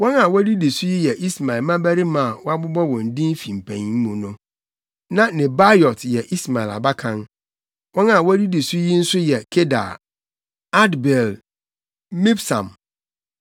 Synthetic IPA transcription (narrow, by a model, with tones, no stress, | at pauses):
wɔ̃˦nã˨wæ˦di˦di˨su˦ji˦jɛ˨ʔi˦sma˨ɪ˨lmã˦bæ˦ɾi˦mã˦˨wɔ˦a˦bʊ˦bɔ˦wɔ̃˨n̩˨dĩ˦m˦fĩ˨m̩˨pʰæ̰̃˨ɲ˦m̩˦mʊ̃˨nʊ̃˦ | nã˦nɪ̃˨ba˦jɔ˨tjɛ˨ʔi˦sma˨ɪ˨la̰˨ba˦kʰã˦n | wɔ̃˦na˨wɔ˦æ˦di˦di˨su˦ji˦n̩˦sʊ˦jɛ˨kʰe˦da̰˨ | a˦dbɛ˨l | mi˦bsã̰˨m